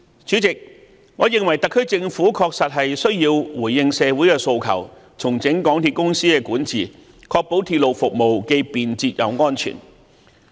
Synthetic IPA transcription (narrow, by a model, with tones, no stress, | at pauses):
t͡ʃyː˨˥t͡sɪ˨k̚ | ŋɔː˨˧jɪ˨ŋwɐ˨˩jt̪ɐ˨kʰːɵ˥ɥt͡sɪ˧ŋfuː˨˥kʰɔː˧k̚sɐ˨t̚ɦɐ˨jsɵ˥ɥjiː˧wwuː˨˩jːɪ˧ŋsɛː˨˧wu˨˥jkɛː˧so˧wkʰɐ̰˨˩w | t͡sʰʊ˨˩ŋt͡sɪ˨˥ŋkɔː˨˥ŋt̪ʰiː˧t̚kʊ˥ŋsiː˥kɛː˧kuː˨˥nt͡siː˨ | kʰɔː˧k̚po˨˥wt̪ʰi˧t̚lo˨wfʊ˨k̚mo˨wke˧piː˨nt͡siː˧t̚jɐ̰˨˧wŋɔː˥nt͡ʃʰy̰ː˨˩n